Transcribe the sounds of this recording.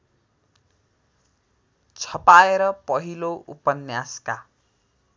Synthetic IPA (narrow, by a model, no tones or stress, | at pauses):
t͡sʰʌpaeɾʌpʌɦiloʔupʌnjaska